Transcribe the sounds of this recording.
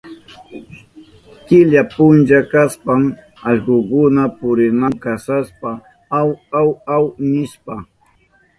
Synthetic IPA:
kɪʎapʊnd͡ʒakaspam | ɑʎɢokʊnapʊɾɪnamkasaspa | awawawnɪʃpa

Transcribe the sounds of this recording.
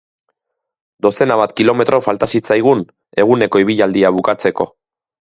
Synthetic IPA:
d̪o̞se̞naβat̪kilo̞me̞t̪ɾʔo̞falt̪asit͡sajɣ̞un | e̞ɣ̞une̞ko̞iβ̞iʎald̪iaβ̞ukat͡se̞ko̞

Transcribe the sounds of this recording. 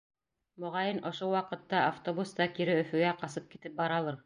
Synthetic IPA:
mŏʁɑjɤnŏʃowɑqɤ̆t̪ːɑːft̪obust̪ɑkiɾɘɵ̆fɵ̆ɡæqɑsɤp̚kit̪ɘp̚bɑɾɑlˠɤɾ

